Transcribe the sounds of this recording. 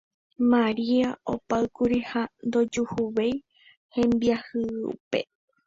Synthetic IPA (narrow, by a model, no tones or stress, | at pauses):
mãɾiao̰paɨkuɾihand̪o̞d͡ʒuhuʋej | hẽ̞mbiahɨṵpe̞